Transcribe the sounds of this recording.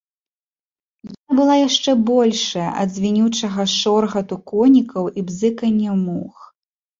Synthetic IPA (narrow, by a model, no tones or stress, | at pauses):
janabɨlˠajaʂt͡ʂɛbɔlʲʂɐjɐ̰ʔɐ̰d̪zʲvʲinʲut͡ʂɐɣɐʂɔrɣɐt̪ukɔnʲikɐwibzɨkɐnʲːɛmux